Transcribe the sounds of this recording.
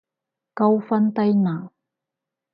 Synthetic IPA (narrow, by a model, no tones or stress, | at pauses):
kawfant̪ajna